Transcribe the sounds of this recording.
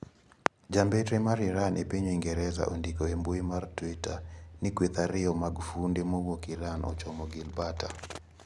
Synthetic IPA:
d͡ʒambetɾemaɾiɾanʔepiɲeŋɡɛɾɛza̰ʔondikoemboimartwitanikwit̪aɾɪɔmaɡufundemowokiɾanʔɔ̰t͡ʃɔmɔɡɪlbata

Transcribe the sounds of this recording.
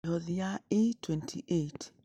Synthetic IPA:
ɔðiaetʰwɛntʰiʔet

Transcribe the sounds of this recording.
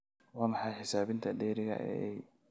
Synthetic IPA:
wɑːmɑħɑjħɪsaːβɪnt̪ʰɐɖɛːɾɪɣɐ̰ʔɛ̰ɛj

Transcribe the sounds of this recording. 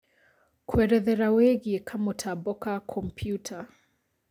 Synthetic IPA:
kwɛɾɛðɛɾawɛɣikʰamutʰabɔkakʰɔm̩pʰjutʰa

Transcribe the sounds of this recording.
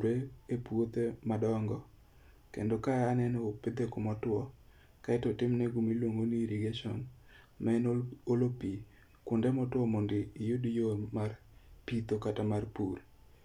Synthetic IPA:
ɾeepwot̪emadɔŋɡɔ | kḛndokajanɛnɔopɪd̪ekʊmɔtwɔ | kaɛtɔtɪmnɛɡumilwoŋɡoniɾiɡeʃɔ̰n | maɛnolopi | kʊndɛmɔtwɔmondɪːjʊdjomar | pit̪okatamarpur

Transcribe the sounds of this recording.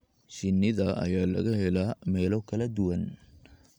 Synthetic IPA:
ʃɪnːɪðɐʔɐ̰jaːlɐ̰ɣɐɦɛlaːmɛːlɔkʰɐlɐd̪ʊwɐn

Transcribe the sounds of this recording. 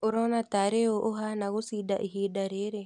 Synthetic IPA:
oɾonataɾeoʔoɦanaɣusida̰ʔiɦidaɾeɾe

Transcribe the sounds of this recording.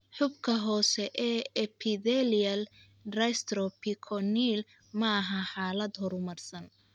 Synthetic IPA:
ħʊbkʰɐɦɔːsɛʔɛːɛpʰɪðɛliɐl | rɐst̪ɾɔpʰikʰɔniːl | mɐɐɦɐħaːlɐd̪ɦɔɾʊmɐrsɐn

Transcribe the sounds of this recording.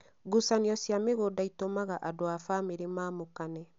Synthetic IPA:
ɡusaniɔsjameɣodaitomaɣaʔadoafaːmeɾemaːmokanɛ

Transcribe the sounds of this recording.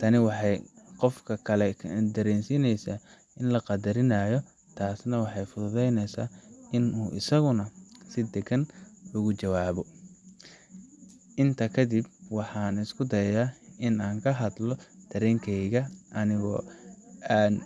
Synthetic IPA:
t̪ʰɐnɪwɑħɑjqɔfkʰɐkʰɐlɛd̪ɐɾɛːnsiːnɛjsaː | ɪnlɐqɑd̪ɐɾɪnaːjɔ | t̪ʰaːsnɐwɑħɑjfʊðʊðɛjnɛjsa̰ːɪnuːʔɪ̰sɐɣʊnɐsɪd̪ɛɡɐnʊɣʊt͡ʃɐwaːβɔ | ʔɪnt̪ʰɐkʰɐd̪ibwɑħɑːnɪskʰʊd̪ɐjaɪnaːŋkʰɐɦɐd̪lɔd̪̥ɐɾɛːŋkʰɛjɣɐʔɐnɪɣɔ̰ | aːn

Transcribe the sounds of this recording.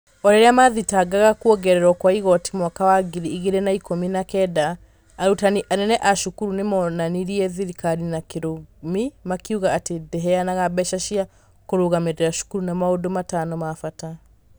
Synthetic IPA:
ɔɾeɾeamaðitaɡaɣakuɔɡɛɾɛɾwɔkwaiɣɔti̥mwakawaɡiɾiːɣeɾenaikominakɛdaː | ɾutaniʔanɛnɛʔaʃukuɾunemɔnaniɾiɛðiɾikaɾinakeɾomimakiuɣaːtedɛɦɛanaɣabɛʃaʃia | koɾoɣameɾeɾaʃu̥kuɾunamaodomatanɔmafata

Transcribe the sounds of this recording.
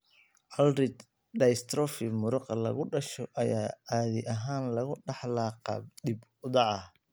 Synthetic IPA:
ʔɐlrɪd̪ | ɖɐst̪ɾɔfɪmʊɾʊqɑlɐ̰ɣʊɖɐʃɔʔɐjaːaːðɪʔɐɦaːnlɐɣʊɖɑħlɑːqɑ̰ːb̚ɖibʊðɑʕɑ

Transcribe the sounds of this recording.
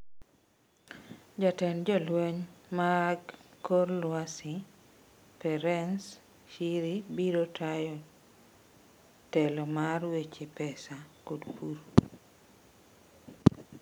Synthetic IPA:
d͡ʒatɛnd͡ʒɔlweɲmaɾaɡkːorlwasi | pɛɾɛns | ʃiɾibiɾotʰajɔ | tɛlɔmarwet͡ʃepɛsakodkuɾ

